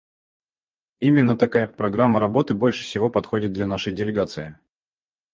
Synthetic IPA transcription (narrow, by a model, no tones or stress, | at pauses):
imʲɪnːət̪ɐkajapɾɐɡɾamːəɾɐbo̞t̪ɨbo̞lʲʂɨ̥fsʲɪvo̞pɐt̪xo̞dʲɪt̪̚d̪lʲanaʂəjdʲɪlʲɪɡat̪sɨɪ